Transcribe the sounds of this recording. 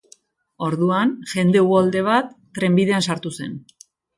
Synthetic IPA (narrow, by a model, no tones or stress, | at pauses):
o̞ɾðuanʝe̞nd̪e̞uɣold̪e̞β̞at̪ːɾe̞mbiðe̞ansaɾt̪use̞̰n